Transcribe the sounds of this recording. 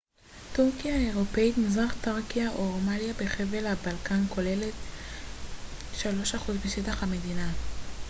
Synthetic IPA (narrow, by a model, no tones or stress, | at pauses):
tuʁkijaeʁo̞peitmizaχtaʁkiaʔoʁomaljabe̞χe̞velabalkanko̞le̞le̞t | ʃalo̞ʃaχuzbeʃetaχhame̞dina